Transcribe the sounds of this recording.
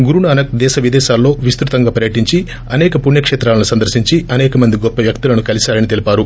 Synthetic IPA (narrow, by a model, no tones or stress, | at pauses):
ɡuɾuɳaːnɐk̚d̪ɛːʃɐʋid̪ɛːʃaːlːo̞ːʋist̪ɾut̪ɐŋɡaːpɐɾjɐʈiɲt͡ʃi | ɐnɛːkɐpunjɐkʂɛːt̪ɾaːlɐnusɐnd̪ɐɾsiɲt͡ʃiʔɐnɛːkɐmɐnd̪iɡɔpːɐʋjɐkt̪ilɐnukɐlisaːɾɐnit̪e̞lipaːɾu